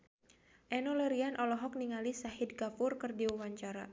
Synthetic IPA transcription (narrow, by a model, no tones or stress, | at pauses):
ʔɛnolɛɾianʔɔlɔɦɔk̚niŋalisahidkafurkɨrdiuwaɲt͡ʃaɾa̰